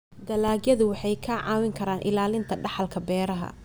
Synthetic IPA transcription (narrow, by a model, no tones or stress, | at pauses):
d̪ɐlaːɡjɐðʊwɑħɑjkʰɐʕɑːwɪŋkʰɐɾaːnʔɪ̰laːlɪnt̪ʰɐɖɑħɑlkʰɐbɛːɾɐɦɐ̰